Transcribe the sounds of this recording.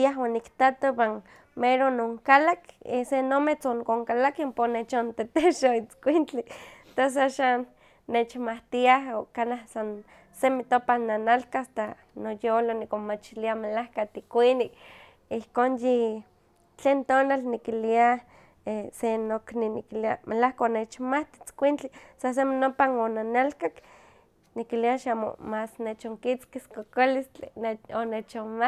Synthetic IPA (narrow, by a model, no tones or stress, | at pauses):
aɦonikt̪at̪owan | meɾonoŋkalakesenomet͡soŋkoŋkalakamponet͡ʃont̪et̪eʃoit͡skʷint͡ɬit̪os̬aʃanː | et͡ʃmaht̪iaɦokanahsan | semit̪opananalkast̪a | nojolonikomat͡ʃiliamelahkat̪ikʷinik | ihkoːnji | t͡ɬeːnt̪oːnalnikilia | esenokninikilia̰mʔelahkaonet͡ʃmaht̪i̥t͡skʷint͡ɬisas̬eminopanonanalkak | nikiliaʃamo̰masnet͡ʃoŋkit͡skiskokolist͡ɬieonet͡ʃoma